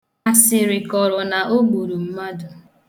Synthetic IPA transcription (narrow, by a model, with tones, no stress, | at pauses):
a˨sɪ˨ɾɪ˨kɔ˨ɾɔ˨na˨ʔo˦ɡ͡bu˨ɾu˨m̩˦ma˦dʊ˨